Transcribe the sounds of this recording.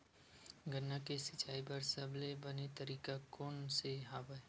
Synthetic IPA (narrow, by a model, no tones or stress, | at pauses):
ɡənːakesɪt͡ʃaːipɐɾsɐblebənet̪əɾiːkakoːnseɦaːbəe